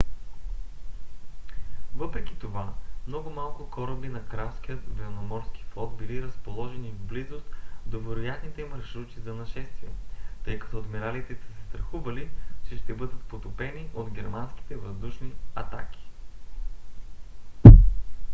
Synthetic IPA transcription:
vɤpɾɛki̥t̪ovamnɔɡʊmalˠkʊkɔɾəbinɐkɾask̟ijət̪vɛnomɔɾskʲi̥flˠɔd̪̚biliɾəspolˠɔʒɛnivblizost̪d̪ovɛɾojat̪nit̪ɛmɐɾʃɾut̪izɐnɐʃɛst̪viɛt̪ɤjkɐ̥t̪ɔd̪mɛɾalit̪ɛsɛ̥sɛ̥st̪ɾɐxuvɐlit͡ʃɛʃt̪ɛbɤd̪ət̪pot̪opɛniʔod̪ɡʲɛɾmansk̟ʲi̥t̪ɛvəzd̪uʃniɐt̪a̰kʲi̥

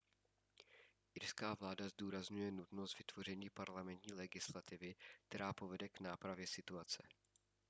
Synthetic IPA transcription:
ʔɪɾskaːvlaːdazduːɾazɲujɛnut̪nost̪vɪt̪v̥o̞r̝ɛɲiːpaɾlamɛnt̪ɲiːlɛɡɪslat̪ɪvɪk̚t̪ɛɾaːpo̞vɛdɛknaːpɾavjɛsɪt̪uat͡sɛ

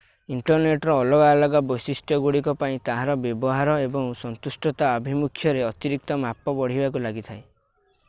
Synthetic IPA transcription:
iɳʈɔɾneʈɔɾɔːlɔɡalɔɡabɔjsisʈʰjɔɡuɽikɔpaĩt̪aɦaɾɔbjɔbɔɦaɾɔebɔŋsɔnt̪usʈɔt̪aɔbʱimukʰːjɔɾeɔt̪iɾik̚t̪ɔmapɔbɔɽ̤ibakulaɡit̪ʰae

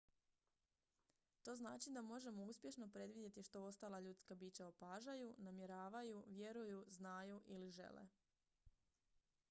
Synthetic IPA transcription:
t̪o̞ːznaːt͡ʃid̪amo̞ʒe̞mo̞uspʲje̞ʃno̞pɾe̞d̪ʋid̪ʲje̞t̪iʃt̪o̞o̞st̪aːlˠaʎut̪skabiːt͡ɕaopaːʒajunamje̞ɾaːʋajuʋje̞ɾujuznaːjuʔiliʒe̞̰lḛ

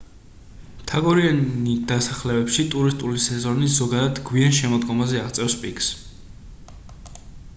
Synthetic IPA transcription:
t̪ʰaɡɔɾiaid̪asaχlɛbɛpʃit̪ʼuɾist̪ʼulisɛzɔnizɔɡad̪ad̪ɡwianʃɛmɔd̪ɡɔmazɛaʁt̪sʼɛfspʼiks

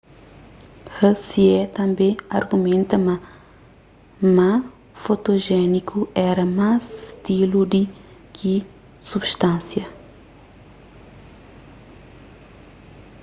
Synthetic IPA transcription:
hɐsiɛt̪ɐ̃mbẽaɾɡumẽnt̪ɐmɐ | mɐ̃ | fot̪oʒɛnikʰuɛɾɐmazʃt̪ilud̪ikʰi | subʃt̪ãnsjɐ

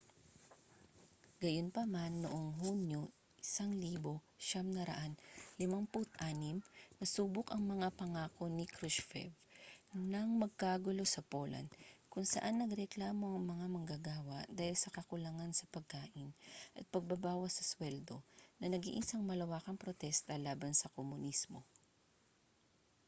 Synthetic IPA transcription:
ɡ̥ɐjonpɐmanːoʔoŋɦunjo | ʔɪsaŋliːbo̞ | ʃamnɐɾɐ̰ʔanlɪmaŋpʊt̪̚ʔaːnɪmnɐsuːbʊkʔɐŋmɐŋapɐŋaːko̞nɪkɾuʃfɛ̰vnɐŋmɐɡ̚kaːɡʊlo̞sɐpoːlɐ̰nkʊŋsɐ̰ʔanːɐɡɾɛklaːmo̞ʔɐŋmɐŋamɐŋɡaɡaːwɐʔd̪aːhɪlsɐkɐkʊlɐŋansɐpɐɡ̚kaːʔɪnʔɐt̪̚pɐɡ̚bɐbaːwɐsɐswɛld̪o̞̰nɐnɐɡḭːʔɪsaŋmɐlɐwaːkɐŋpɾot̪ɛst̪ɐlaːbɐnsɐkomʊnismo̞

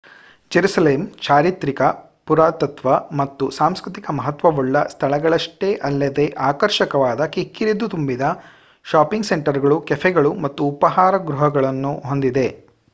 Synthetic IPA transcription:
d͡ʒeɾusɐleːmt͡ʃaːɾit̪ɾikɐ | puɾaːt̪ɐt̪ʋɐmɐt̪ːusaːmskɾit̪ikɐmɐɦɐt̪ʋɐʋɔɭːɐst̪ʰɐɭɐɡɐɭɐʂʈeʔɐlːɐd̪e̞ʔaːkɐɾʃɐkɐʋaːd̪ɐkikːiɾid̪ut̪umbid̪ɐ | ʃaːpiŋɡseɳʈɐɾɡɐɭukɛfʰɛɡɐɭumɐt̪ːuːpɐɦaːɾɐɡɾuɦɐɡɐɭɐnːuɦo̞nd̪id̪e̞

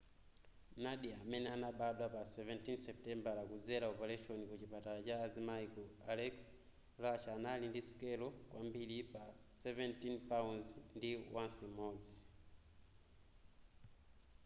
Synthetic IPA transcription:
naɗiamɛnɛanaɓaɗapasɛvɛntinsɛp̚tɛmbalakud͡zɛlaɔpalɛʃɔnikut͡ʃipatalat͡ʃaːzimaikɔalɛks | ɾaʃaːnalindisi̥kɛlɔkwʔambilipasɛvɛntinθaunzndiwansimɔːd͡zi

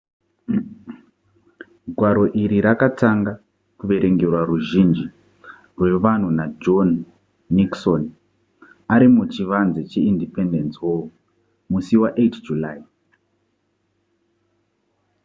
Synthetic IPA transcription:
ɡʱwaɾo̞ʔiɾiɾakataŋɡa | kuʋe̞ɾʔe̞ŋɡe̞rwaruʒind͡ʒi | rwe̞ʋan̤unad͡ʒo̞nː | ikson | aɾimut͡ʃiʋanzet͡ʃeindipe̞ndensiwoo | musiwaʔetd͡ʒulai

